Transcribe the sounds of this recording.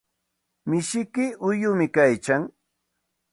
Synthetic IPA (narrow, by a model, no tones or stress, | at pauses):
mɪʃɪkɪʊjʊmɪkajt͡ʃaŋ